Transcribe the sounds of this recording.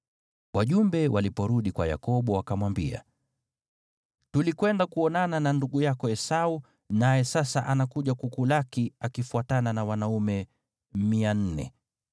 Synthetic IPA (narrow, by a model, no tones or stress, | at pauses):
wʔaʄumbɛwʔalipɔɾuɗikwa̰ja̰kɔɓɔwakamwambḭa̰ | tulikwɛndakuɔnanananduɠujakɔɛsau | najɛsasaʔanakuʄakukulakiakifuatananawanaumɛ | mian̩nɛ̰